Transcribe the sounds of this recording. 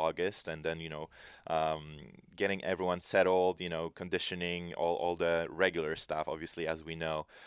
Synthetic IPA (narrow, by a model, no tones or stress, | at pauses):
ɔɡɨstɨ̃nðɨ̃njɨnoʊʔʌ̃m | ɡɛɾɪ̃ŋʔɛvɹiwʌ̃nsɛɾl̩ˠdjɨnoʊkʰɨ̃ndɪʃɨnɪ̃ŋɔ̰lˠʔɔ̰lˠðɨɹɛɡjl̩ˠə˞stʌfɑ̰bviɨsliɨzwinoʊ